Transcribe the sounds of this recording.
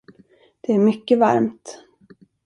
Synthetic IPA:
d̪̥ɛæɾmʏkːəva̰ɾmt̪

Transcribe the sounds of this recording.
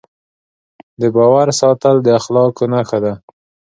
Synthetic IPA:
d̪əbɑwaɾsɑt̪əld̪əaxlɑkonaxad̪a

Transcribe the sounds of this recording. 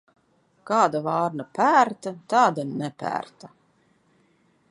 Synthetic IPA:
kɑːd̪avɑːɾnapæːɾt̪at̪ɑːd̪anɛpʲæ̰ːɾt̪a

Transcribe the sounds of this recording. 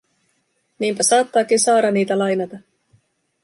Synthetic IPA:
niːmpæsɑːt̪ːɑːkinsɑːɾɑnːiːt̪ælɑjnɑt̪ɑ

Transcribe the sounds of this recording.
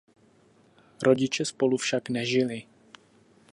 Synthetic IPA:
ɾo̞ɟɪt͡ʃɛspo̞lufʃaknɛʒɪlɪ

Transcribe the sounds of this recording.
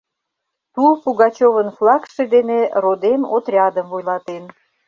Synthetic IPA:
t̪upuɣɑt͡ɕovənflˠɑkʃed̪enerod̪emo̰t̪rʲɑd̪əmvojlɑt̪en

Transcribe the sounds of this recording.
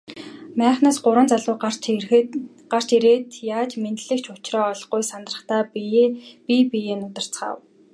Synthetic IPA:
mæːχnaːsɢʊɾwə̆nt͡saɮʊː | ɢar̥t͡ɕiɾeːt̪ʰjaːt͡ɕment̪ɮɘ̆kt͡ɕʰʊt͡ɕrɔːɮʁujsant̪rə̆χt̪aː | pipijeːnʊt̪ə̆r̥t͡sχa̰ːw

